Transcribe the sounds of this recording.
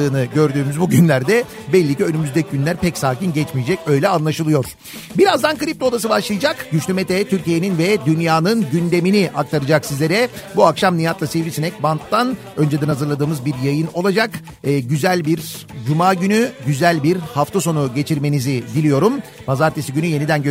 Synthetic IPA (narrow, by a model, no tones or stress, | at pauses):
ɯːnɯɟø̞ɾd̪yːmyzbuɟynlʲæɾd̪ɛ | bɛlʲːiciønymyzd̪ɛcʰiɟynlʲæɾpɛcsaːcinɟɛt͡ʃmijd͡ʒɛcø̞jlʲɛanlˠaʃɯlˠɯjo̞ɾ̥ | biɾazd̪ankɯɾip̚t̪o̞d̪as̬ɯbaʃlˠɯjɯd͡ʒakɟyt͡ʃlʲymɛt̪ʰɛt̪ʰyɾcije̞ninvɛd̪ynjaːnɯnɟynd̪e̞miniʔak̚t̪ʰaɾɯd͡ʒaksizlʲe̞ɾɛbuakʃamnijat̪lˠasevɾisinɛc̚bant̪ːan | ø̞nd͡ʒed̪ɛnhazɯɾlˠad̪ɯːmɯzbiɾjajɯno̞lˠad͡ʒakː | ɟyzælʲbiɾ | d͡ʒumaːɟynyɟyzælʲbiɾhaft̪ʰaso̞nuɟe̞t͡ʃʰiɾme̞nizid̪ilʲijo̞ɾum | bazaɾt̪ʰe̞siɟynyje̞nid̪ænɟø